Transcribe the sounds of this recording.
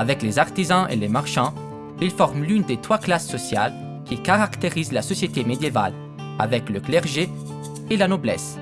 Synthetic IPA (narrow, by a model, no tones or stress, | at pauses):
avɛklezaʁt̪izɑ̃ʔḛlemaʁʃɑ̃ | ilfɔʁmlynd̪et̪χwaklasːɔsja̰l | kʲʰikaʁakt̪eʁizlasɔsjet̪emed̪jeva̰l | a̰vɛkləklɛʁʒe | elanɔblɛ̰s